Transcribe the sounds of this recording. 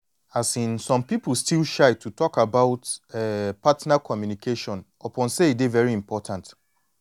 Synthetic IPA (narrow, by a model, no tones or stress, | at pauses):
asĩnsɔ̃mpipl̩stilˠʃaɪtʰutʰɔkabaʊtɛpatnakʰɔmjunikʰeʃɔ̃n | ɔpʰɔ̃nseidevɛɹiĩmpʰɔtʰãnt